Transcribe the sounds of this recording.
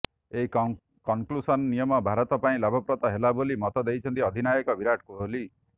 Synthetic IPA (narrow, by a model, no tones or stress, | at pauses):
eɦi | kɔŋklusɔnnijɔmɔbʱaɾɔt̪ɔpaĩlabʱɔpɾɔt̪ɔɦelabolimɔt̪ɔd̪ejt͡ʃʰɔnt̪iɔd̪ʱinajɔkɔbiɾaʈʰkuɦoli